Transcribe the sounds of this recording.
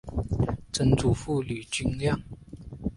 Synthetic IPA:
ʈ͡ʂə˧˥nt͡su˨˩fu˥˩ly˨˩t͡ɕy˥nljɑ˥˨ŋ

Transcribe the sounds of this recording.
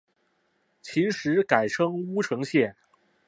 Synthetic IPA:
t͡ɕʰi˧˥ʂɻ̩˧˥ka˨˩ɪʈ͡ʂʰɤ˥ŋu˥ʈ͡ʂʰɤ˧˥ŋɕjɛ˥˩

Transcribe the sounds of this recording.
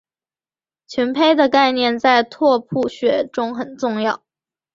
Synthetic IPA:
t͡ɕʰɥɛ˧˥npʰe˥ɪd̪ə˨ka˥˧ɪnjɛ˥˧nt͡sa˥˧ɪt̪ʰwɔ˥˧pʰu˥˩ɕɥɛ˧˥ʈ͡ʂʊ˥ŋxə˨˩nʈ͡ʂʊ˥˧ŋjɑ˥˩ʊ

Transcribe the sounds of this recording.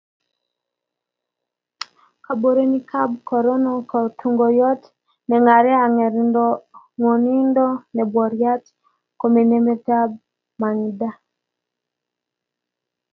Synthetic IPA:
ka˨bo˨ɾe˦ni˦kʰa˦b̚kɔ˨ɾɔ˦nɔ˦kɔ˨tʰu˨ŋɡɔ˨jɔ˦t | nɛ˨ŋa˨ɾɛ˦a˨ŋɛ˨ɾi˨ndɔ˦ | ŋwɔ˨ni˦ndɔ˦nɛ˨bwɔ˨ɾja˦t | ko˨me˨ne˦me˦ta˦b̚ | ma˨ŋ˨da˦

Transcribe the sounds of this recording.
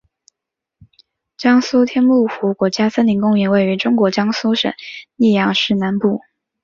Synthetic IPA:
t͡ɕjɑ˥ŋsu˥t̪ʰjɛ˥npu˥˩xu˧˥kwɔ˧˥t͡ɕja˥sə˥nli˧˥ŋkʊ˥˧ŋy˧˥˩nwe˥˩ɪy˧˥ʈ͡ʂʊ˥ŋkwɔ˧˥t͡ɕjɑ˥ŋsu˥ʂə̰˨˩˦ŋni˥˩jɑ˧˩ŋʂɻ̩˥˩na˧˥npu˥˩

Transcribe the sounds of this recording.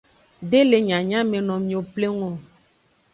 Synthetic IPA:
ɖe˦le˨ɲã˨ɲã˦mẽ˨nɔ̃˨mĩ˨o˨ple˦ŋɔ̃˦˨

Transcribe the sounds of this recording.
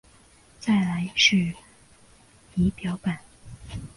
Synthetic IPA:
t͡sa˥˩ɪla˧˥ɪʂɻ̩˥˩ | i˧˥pjɑ˧˥ʊpa˨˩˦n

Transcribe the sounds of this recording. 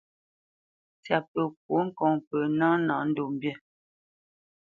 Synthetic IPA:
t͡sja˨pə˨k̚wo˨˦ŋ̩˦kɔ˨ŋpə˨nã˦nã˨˦n̩˦do˨m˨bjɛ˦˨

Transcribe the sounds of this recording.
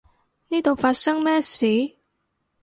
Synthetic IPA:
ni˥˩t̪o˨˩fa˧˥sə˥ŋmɛ˥si˨˦

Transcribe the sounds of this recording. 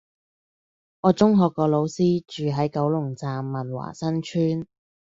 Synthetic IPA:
ŋɔː˨˧t͡sʊ˥ŋɦɔː˧kːɔː˧lo˨˧wsiː˥t͡ʃyː˨ɦɐ˨˥jkɐ˨˥wlʊ˨˩ŋt͡saː˨mːɐ˨nwa̰ː˨˩sɐ˥nt͡ʃʰyː˥n

